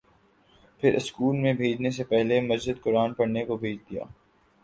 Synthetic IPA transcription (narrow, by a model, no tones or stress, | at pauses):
pʰɪɾʔɪskuːlmẽbʱeːd͡ʒnes̬epɛɦlemɐzd͡ʒɪd̪̚kʊɾaːnpɐɽnekobʱeːd͡ʒd̪ija̰ː